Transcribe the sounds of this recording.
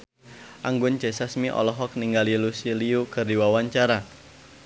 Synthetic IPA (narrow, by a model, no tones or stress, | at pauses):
ʔaŋɡʊnt͡ʃesasmiʔɔ̰lɔɦɔk̚niŋɡalilusiliukɨrdiwawaɲt͡ʃaɾa